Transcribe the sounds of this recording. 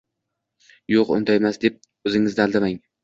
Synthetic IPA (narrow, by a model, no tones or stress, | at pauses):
joqʊ̰nd̪ajmasd̪e̞p̚ | ɵzɪŋɪzd̪alˠd̪amaŋ